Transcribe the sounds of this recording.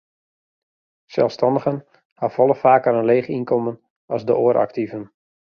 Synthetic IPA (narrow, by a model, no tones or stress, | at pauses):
sɛ̰lˠfstɑndəɣən | hafɔlˠəfaːkəɾənleːχinkɔmən | ɑzdəʔoːɾʔɑ̰ktivən